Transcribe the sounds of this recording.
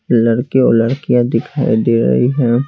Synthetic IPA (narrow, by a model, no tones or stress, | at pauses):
lɐɽkeo̰ləɽkijãd̪ɪkʰaːid̪eːɾɐ̰ɦiɦɛː